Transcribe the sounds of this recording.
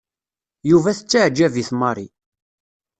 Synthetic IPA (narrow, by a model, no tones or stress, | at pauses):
juvæθət͡sːaʕd͡ʒːæviθmɑɾˤi